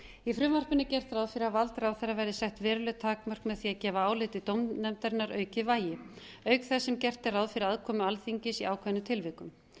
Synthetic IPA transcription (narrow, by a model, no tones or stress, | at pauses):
ifɾʏmvar̥pɪnːɪcɛr̥t̪ɾaːwðfɪːɾavalt̪ɾawθɛravɛɾðɪsɛht̪vɛːɾʏlʏt̪ʰaːkmœr̥kmɛðθiaðcɛːvaaːwlɪːt̪ɪt̪owmnɛmt̪aɾɪnːaɾʔœːɥcɪvaːjɪ | œɥkθɛsːɛmcɛr̥t̪ɪɾawðfɪːɾɪaðkʰɔːmʏalθiɲcɪsiaːwkʰvɛðnʏt̪ʰɪlvɪkʏm